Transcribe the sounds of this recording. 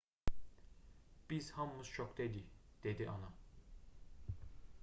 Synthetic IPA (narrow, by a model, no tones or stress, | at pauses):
b̥iz̥hɑmmɯz̥t͡ʃʰokd̪ed̪id̪̥ed̪iʔɑnɑ